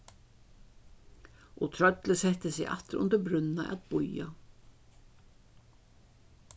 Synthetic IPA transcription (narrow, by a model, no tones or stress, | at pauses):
ʔɔt̪ʰɾœt̪lɪsɛht̪əsɛʔa̰t̪ɾʊ̰nt̪əɾbɾʏnːaʔa̰t̪bʊja̰